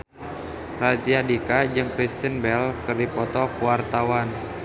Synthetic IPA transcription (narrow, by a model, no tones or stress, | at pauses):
rat̪iadikad͡ʒɨŋkɾist̪inbɛlkɨrdipɔt̪ɔkuwart̪awan